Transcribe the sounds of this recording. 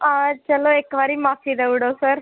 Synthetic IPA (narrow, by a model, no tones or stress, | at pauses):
at͡ʃɐloeːkʋaːɾimaːfid̪eʋʊɽosəɾ